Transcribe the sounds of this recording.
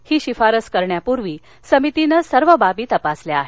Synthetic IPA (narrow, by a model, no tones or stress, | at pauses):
hiːɕifaɾəskəɾɳjapuɾʋiː | səmit̪inəsəɾʋəbabiːt̪əpasleaɦe